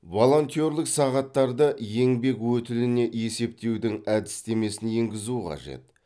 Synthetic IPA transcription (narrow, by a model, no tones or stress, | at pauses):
vo̞lˠo̞nt̪ijo̞ɾlˠɪksɑʁɑt̪ːɑɾd̪əje̞ŋbe̞kwɵt̪ɪlɪne̞ʔe̞se̞p̚t̪e̞wd̪ɪŋæd̪ɪst̪e̞me̞sɪnje̞ŋɡʲɪzuəqʰɑ̰ʒe̞̰t̪̚